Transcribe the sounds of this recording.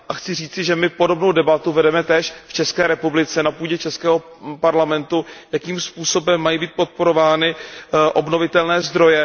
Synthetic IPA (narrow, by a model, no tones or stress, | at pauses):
ʔaxt͡sɪriːt͡sɪʒɛmɪpo̞do̞bno̞wdɛbat̪uvɛdɛmɛt̪ɛːʃft͡ʃɛskɛːɾɛpublɪt͡sɛnapuːɟɛt͡ʃɛskɛːɦo | paɾlamɛnt̪ujakiːmspuːso̞bɛmːajibiːt̪̚po̞t̪̚po̞ɾo̞vaːnɪʔo̞bno̞vɪt̪ɛlnɛːzd̪ɾo̞jɛ